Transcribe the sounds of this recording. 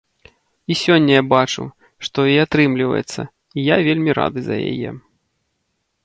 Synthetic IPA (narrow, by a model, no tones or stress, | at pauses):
isʲɔnʲːɐjabat͡ʂṵw | ʂt̪ɔiat̪ɾɨmlʲivɐ̰jɛ̰t̪sːɐ | ijavʲelʲmʲiɾa̰d̪ɨzɐ̰ja̰jɛ̰